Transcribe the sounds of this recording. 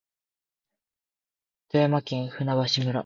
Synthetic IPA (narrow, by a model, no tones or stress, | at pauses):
t̪ojamakẽɰ̃hɯ̟naβaɕimɯ̟ɾa̰